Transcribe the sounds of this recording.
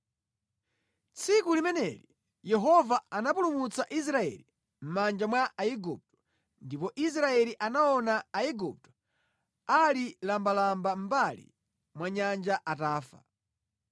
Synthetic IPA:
t͡sʰikulimɛnɛli | jɛɦɔvaanapulumut͡saʔis̬ɾaɛ̰li | m̩mand͡ʒamwaʔaiɡup̚tɔ̥ | ndipɔʔis̬ɾaɛliʔanaɔnaːiɡup̚tɔ̥ | alilambalambam̩balḭ | mwaɲand͡ʒaʔataːfa̰

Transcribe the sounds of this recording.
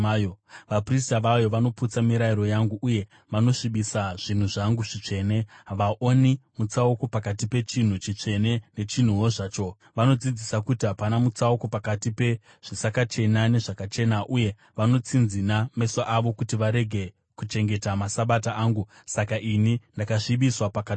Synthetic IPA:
joʋapristaʋajo̞ʋano̞put͡samiɾaiɾo̞jaŋɡuʔːje̞ | ʋano̞ʂiɓisaʐ̥in̤uʐaŋɡuʐit͡ʂe̞ːne̞ʋaʔonimut͡sauko̞pakatipe̞t͡ʃin̤ut͡ʃit͡ʂe̞ne̞ne̞t͡ʃin̤uwoʐaːt͡ʃo̞ | ʋano̞d͡zid͡zisakutiɦapanamut͡sauko̞pakatipe̞ | ʐ̥isakat͡ʃe̞nane̞ʐakat͡ʃe̞naʔuje̞ | ʋano̞t͡sinziname̞saʔaʋo̞kutiʋaɾe̞ɡʱe̞ | kut͡ʃe̞ŋɡe̞tamasaɓataʔaːŋɡu | sakaʔinindakaʂiɓiswapaka

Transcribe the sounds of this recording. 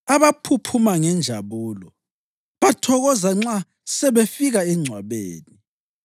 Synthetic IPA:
aβapʰupʰumaŋɛnd͡ʒʱaβuːlɔ | βatʰɔɣɔzaŋ͡ǁa | sɛβefiɣaɛŋ͡ǀʱwaβeːni

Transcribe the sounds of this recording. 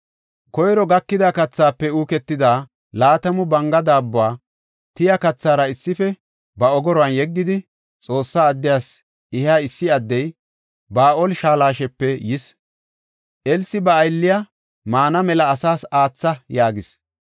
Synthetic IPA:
kɔjɾɔɡɐkːɪd̪akɐt͡sːaːpːɛuːkɛt̪ːɪd̪aː | laːt̪ɐmʊbɐŋɡɐd̪aːbːʊwaː | t̪ɪjɐkɐt͡sːaːɾɐɪsːɪfɛ | bɐɔɡɔɾɔɐnjɛɡːɪd̪ɪ | t͡sʼo̞ːsːaːd̪ːɪjaːs | ɪhaːɪsːɪɐd̪ːɛj | baːʔoːlʃaːlaːʃɛpːɛjɪs | ʔɛlsɪbɐːjlːɪja | maːnɐmɛlɐːsaːsaːt͡sːɐjaːɡɪs

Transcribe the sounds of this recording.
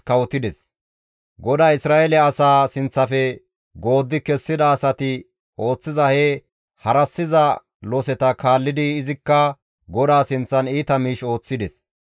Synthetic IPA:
kɐwɔt̪ːɪd̪ɛs | ɡɔd̪aːɪsɾaːɛlɛːsaːsɪnt͡sːɐfɛ | ɡo̞ːd̪ːɪkɛsːɪd̪ɐːsɐt̪ɪ | ʔo̞ːt͡sːɪzɐhɛ | hɐɾɐsːɪzɐ | lɔsɛt̪ɐkaːlːɪd̪ɪːzɪkːɐ | ɡɔd̪aːsɪnt͡sːɐniːt̪ɐmiːʃo̞ːt͡sːɪd̪ɛs

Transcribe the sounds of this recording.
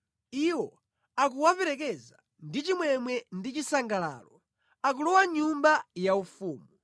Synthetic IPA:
iwɔ | ak̬uwapɛɾɛk̬ɛza | ndit͡ʃimwɛmwɛndit͡ʃisaŋɡala̰ːlɔ | ak̬ulɔwaɲumbajaufuːmu

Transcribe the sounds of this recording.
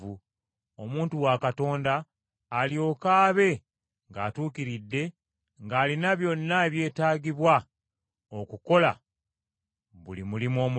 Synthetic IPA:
u | o̞muːntuwaːkato̞ːndaː | ljo̞ːkaːβe̞ | ŋɡaːtuːkiɾidːe̞ | ŋɡaːlinaβjo̞nːaeβje̞ːtaːɡiβwa | okuko̞la̰ | βulimulimo̞ːmu

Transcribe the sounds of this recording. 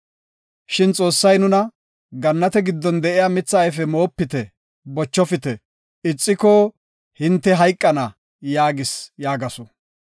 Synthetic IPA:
ʃɪnt͡sʼo̞ːsːɐjnʊnɐ | ɡɐnːɐt̪ɛɡɪd̪ːɔnd̪ɛʔɪjaːmɪt͡sːɐɐjfɛmo̞ːpːɪt̪ɛ | bɔt͡ʃːɔfɪt̪ɛ | ɪt͡sʼːɪkɔ | hɪnt̪ːɛɦɐjkʼːɐnɐ | jaːɡɪsjaːɡɐsɔ

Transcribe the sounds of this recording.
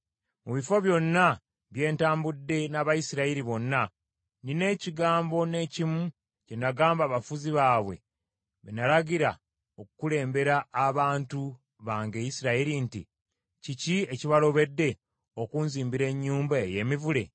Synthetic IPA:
muβifo̞βjo̞nːa | βje̞ːntaːmbudːe̞naβajisiɾaiɾiβo̞nːa | nine̞ːciɡaːmbo̞ne̞ːcimu | cenaɡaːmbaβafuziβaːβwe̞̰ | βenalaɟiɾa | okukule̞ːmbe̞ɾaːβaːntu | βaːŋɡejisiɾaiɾintḭ | cicie̞ciβalo̞βe̞dːe̞ | okuːnziːmbiɾe̞ɲːuːmbaeje̞mivule

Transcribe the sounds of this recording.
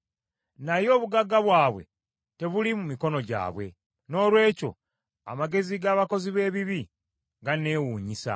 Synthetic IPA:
najo̞ːβuɡaɡaβwaːβwe̞̰ | te̞βulimumiko̞no̞ɟa̰ːβwe̞̰ | no̞ːlwe̞ːco̞̰ | a̰maɡe̞ziɡaːβako̞ziβe̞ːβiβi | ɡane̞ːwuːɲisa̰

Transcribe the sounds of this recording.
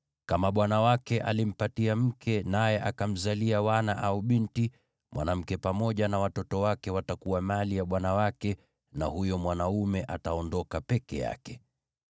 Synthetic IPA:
kamaɓwanawakɛʔa̰lim̩patiam̩kɛnajɛʔakam̩zaliawanaʔauɓinti | mwa̰nam̩kɛpamɔʄanawatɔtɔwakɛwatakuwamalijaɓwanawakɛ | na̰hujɔmwanaumɛʔataɔndɔkapɛkɛ̰ja̰kɛ

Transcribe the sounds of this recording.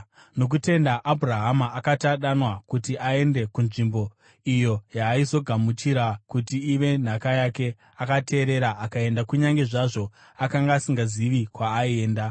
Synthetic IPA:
no̞k̬ute̞ndaʔabʱuraɦamaʔakataɗanwakutiʔae̞nde̞kunʐimbo̞ | ijo̞jaːizo̞ɡʱamut͡ʃiɾakutiːʋe̞n̤akajake̞ | akatʰe̞ːɾe̞ɾaakae̞ndakuɲaŋɡe̞ʐaʐo̞ | akaŋɡaːsiŋɡaziʋikwaːieːnda

